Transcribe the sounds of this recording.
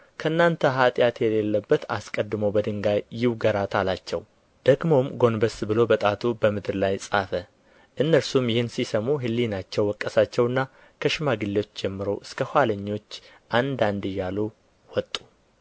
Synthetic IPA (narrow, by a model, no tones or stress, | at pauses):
kʰəɨnːant̪ʰəɦat̪ʼjat̪jɛlelːəbːət̪a̰skʼəd̪ːɨməwbəd̪ɨŋɡajːɪwɡəɾat̪ʰalat͡ʃːɛ̰w | d̪̥əɡmo̞mɡo̞nbəsbɨlo̞bət̪ʼat̪ʰubəmɨd̪ɾlajsʼafə | ʔɨnːəɾsumjɪhɨnsisəmuɦɨlːinat͡ʃːɛwːɔkʼːəsat͡ʃːɛwɨnːa | kʰəʃɪmaɡɨlːeot͡ʃːd͡ʒɛmːɨɾo̞ʔɨskʰəhʷwaləɲːo̞t͡ʃː | ʔand̪and̪ɨjːalu | wɔt̪ʼːu